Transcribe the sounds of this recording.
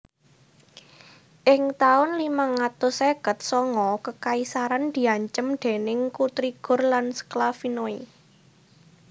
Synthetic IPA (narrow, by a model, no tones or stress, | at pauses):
ʔɪŋt̪aʊnlimaŋat̪ʊseɡ̥ət̪̚sɔŋɔkəkaisaɾand̪̥i̤aɲt͡ʃəmd̪̥e̤nɪŋkut̪ɾiɡ̥ʊ̤rlansə̥klafinoi